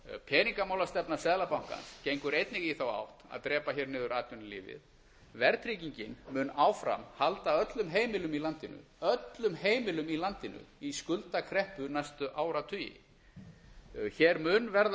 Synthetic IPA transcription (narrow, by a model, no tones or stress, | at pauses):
pʰɛːniŋkamaːwlast̪ɛpnḁsɛːðlapawŋ̥ka̰nscejŋkʏɾejt̪nɪɣiθawa̰wht̪a̰ðt̪ɾɛːpaçɛːɾnɪːðʏɾaːt̪jʏnlɪ̰ːvɪ̰ð | vɛɾt̪ʰɾiciɲcɪnmʏnaːwfɾa̰mhalt̪aœt̪lʏmɦeːjmɪlʏmilant̪ɪnʏ̰ | œt̪lʏmheːjmɪlʏmilant̪ɪnʏ̰iskʏlt̪akʰɾɛhpʏnajst̪ʏʔaːwɾat̪ʰʏjɪ̰ | çɛɾmʏnvɛɾð